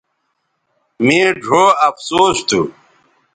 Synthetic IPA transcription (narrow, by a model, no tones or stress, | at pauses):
mĩːɖʱoːɐfsoːɕt̪ʰu